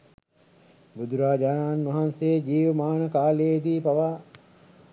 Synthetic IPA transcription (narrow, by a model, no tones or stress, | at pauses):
bud̪uɾaːd͡ʒaːnaːnʋɐɦansejed͡ʒiːʋɐmaːnəkaːleed̪iːpɐʋaː